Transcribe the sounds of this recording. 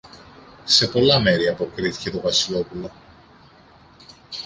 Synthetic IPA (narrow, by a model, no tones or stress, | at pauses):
se̞po̞lɐme̞ɾiɐpo̞kɾiθi̥ce̞t̪o̞vɐsilo̞pulo̞